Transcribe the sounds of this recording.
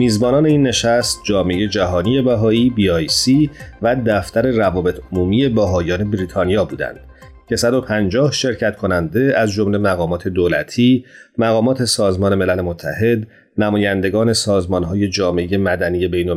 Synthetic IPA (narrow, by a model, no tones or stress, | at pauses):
miːzbɒːnɒːne̞iːnːe̞ʃæst̪̚d͡ʒɒːmeeje̞d͡ʒæɦɒːnije̞bæɦɒːiːbiɒjsiːvæd̪æft̪æɾe̞rævɒːbe̞t̪ʰomuːmije̞bæɦɒːjɒːne̞bɾiːt̪ʰɒːnijɒːbuːd̪æ̰nd̪̥ | cʰe̞sæd̪o̞pʰænd͡ʒɒːhʃe̞ɾcʰæt̪kʰo̞nænd̪e̞æzd͡ʒomle̞mæɣɒːmɒːt̪ʰe̞d̪oːlæ̰t̪ʰiːmæɣɒːmɒːt̪ʰe̞sɒːzmɒːne̞me̞læle̞mot̪ʰːæ̰he̞d̪ | næmɒːjænd̪e̞ɡɒːne̞sɒːzmɒnɦɒːje̞d͡ʒɒːmeeje̞mæd̪ænije̞bejno